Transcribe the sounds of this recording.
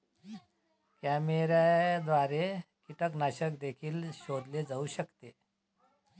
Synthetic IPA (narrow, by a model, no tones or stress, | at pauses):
kæmeɾajd̪ʋaɾekiʈəknaɕək̚d̪ekʰiːlɕod̪led͡zauɕəkt̪e